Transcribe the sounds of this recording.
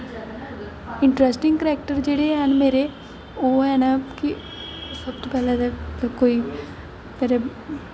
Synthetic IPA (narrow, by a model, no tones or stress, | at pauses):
ɪ̃ɳʈɾɛsʈɪ̃ŋɡkɾɛːk̚ʈəɾd͡ʒeːɽeɦɛnmeːɾe | oːɦɛːnaki | səbt̪opɛːlad̪eəkoːiː | peːɾe